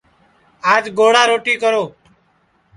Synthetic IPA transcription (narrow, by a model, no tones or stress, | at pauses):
aːd͡ʒɡoːɽaːɾoːʈiːkəɾoː